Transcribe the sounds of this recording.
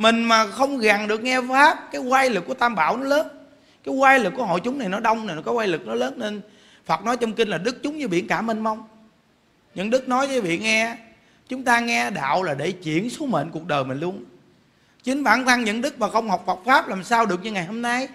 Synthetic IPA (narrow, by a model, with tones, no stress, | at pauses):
mï˨˩ŋ̟maː˨˩xə˧wŋ͡mɣa˨˩ŋɗɨ˨˩ək̚ŋɛ˧faː˦˥p̚kaː˨˦jwaː˧jlɨ˨˩kːu˧˩ət̪aː˧mɓa̰ː˧˨wnɔ˨˦ləː˨˦˥n | kaː˨˦jɣwaː˧jlɨ˨˩k̚ːu˧˩˦ho̰˧˨jt͡ɕʊ˨˦ŋ͡mna˨˩jnɔ˨˦ɗə˧wŋ͡mna˨˩n˨˩kaː˨˦jwaː˧jlɨ˨˩k̚nɔ˨˦ləː˨˦nːne˧n | fa˨˩p̚nɔ˨˦jt͡ɕɔ˧wŋ͡mki˧n̟laː˨˩ɗɨ˦˥k̚t͡ɕʊ˨˦ŋ͡mzəː˨˦jɓḭ˧˨ənkaː˧˩mï˨˩ŋ̟mə˧wŋ͡m | ɲə̰˧˥nɗɨ˦˥k̚nɔ˨˦jvəː˨˦jvḭ˧˨ŋɛ˧ | t͡ɕʊ˨˦ŋ͡mt̪aː˧ŋɛ˧ɗa̰ː˧˨wlaː˨˩ɗe˧˩t͡ɕḭ˧˩ənso˨˦mḛ˧˨nku˨˩ək̚ɗəː˨˩jmï˨˩ŋ̟lu˧ən | t͡ɕï˨˦ŋ̟ɓa̰ː˧˩˨nt̪ʰa˧ŋɲə̰˧˥˨nɗɨ˦˥k̚maː˨˩xə˧wŋ͡mhɔ˨˩wk͡p̚fə˨˩wk͡p̚faː˦˥p̚laː˨˩msaː˧wɗɨ˨˩ək̚ɲɨ˧ŋa˨˩jho˧mna˧j